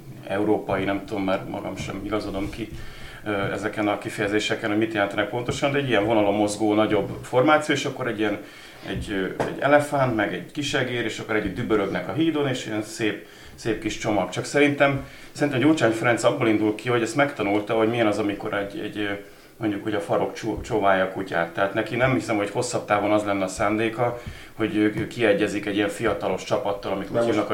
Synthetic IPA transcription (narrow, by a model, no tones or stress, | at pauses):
ɛuɾoːpɒjinɛmt̪ud̪omːarmʔɒ̰ɡɒ̰mʃɛ̰miɡɒzod̪o̞mki | øɛ̰zɛkɛnɒkifɛjɛzeːʃɛkɛnhoɟmit̪jɛlɛnt̪ɛnɛk̚po̞nt̪o̞ʃɒnd̪ɛɟːijɛɱvo̞nɒlo̞mːo̞zɡoːnɒɟo̞bfo̞rmaːt̪sioeːʃɒkːo̞ɾɛɟːijɛn | ɛ̰ɟøɛ̰ɟːɛ̰lɛfant̪mɛɡɛɟkiʃɛɡeːɾeːʃɒkːo̞ɾɛɟːyd̪d̪ybøɾø̞ɡnɛkɒɦiːd̪o̞neːʃijɛnseːp | seːp̚kiʃt͡ʃo̞mɒkt͡ʃɒksɛɾint̪ɛm | sɛɾint̪ɛmɟoːt͡ʃaːnfɛɾɛnt̪sɒbːolind̪ult̪kiho̞ɟɛst̪mɛkt̪ɒnult̪ɒɦo̞ɟmiɛnɒzɒmiko̞ɾɛɟːɛ̰ɟ | mo̞ɲɟukhoɟɒfɒɾo̞kt͡ʃt͡ʃovaːjɒkuca̰ːt̪ːɛɦat̪nɛkinɛmhisɛmho̞cho̞sːɒp̚t̪aːvo̞nɒzlɛnːɛɒsaːnd̪eːkɒ | ho̞ɟøːkiɛɟːɛzikɛɟːijɛɱfijɒt̪ɒlo̞ʃt͡ʃɒpɒt̪ːɒlɒmit̪uːhivnɒk